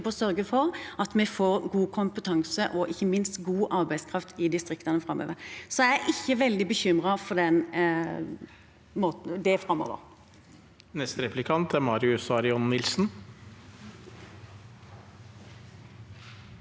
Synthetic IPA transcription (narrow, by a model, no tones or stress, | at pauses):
bɔsœɾɡəfɔʁɑt̪mɛfoːɾɡuːkʰʊmpət̪ʰɑŋsəʔɔʔɪçːəmɪnst̪ɡuːʔɑʁbæɪskʰʁɑft̪ʰɪd̪ɪst̪ʁɪkt̪ɑnəfɾɑmːø̰ːʋəɾsɔæʔɪçːəʋɛld̪ɪbəçʏmʁɑfɔd̪ɛn | moːt̪̩d̪ɛfɾɑmːo̰ːʋə̰ʁ | nɛst̪əɾɛplɪkʰɑnt̪æɾmɑːɾɪʉsɑɾɪɔnːɪlsn̩